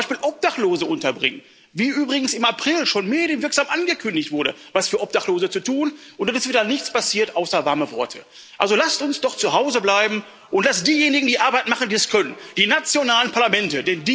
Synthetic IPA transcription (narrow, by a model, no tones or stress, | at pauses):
aʃpiːlʔɔp̚d̥aχtloːzəʔʊntɐbʁɪ̰ŋən | viːʔyːbʁɪɡŋ̩sɪmapʁ̥ɪlʃoːnmeːdjənvɪɐkz̥aːmʔanɡəkʰʏndɪçtv̥ʊɐɾə̰vasfyːɐʔɔp̚d̥aχtloːzət͡sutʰuːnʔʊntd̥anɪstviːdɐnɪçt͡spasiːɐtʔaʊsɐvaɐməvɔɐtʰə | ʔalzolastʊnsd̥ɔχt͡suɦaʊzəblaɪbm̩ | ʔʊntlasd̥iːjeːnɪɡŋ̩diːʔaɐbaɪtn̩maχn̩diːɛskʰœnənd̥iːnat͡sjonaːlənpʰaɐlamɛntədɛndiː